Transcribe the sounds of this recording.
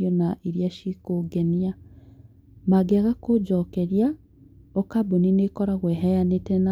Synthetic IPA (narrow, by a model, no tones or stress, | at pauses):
ɔnaʔiɾjaʃikoɡɛnia | maɡeaɣakod͡ʒɔkɛɾja | ɔkaboninekɔɾaɣwɛɦɛjanetɛna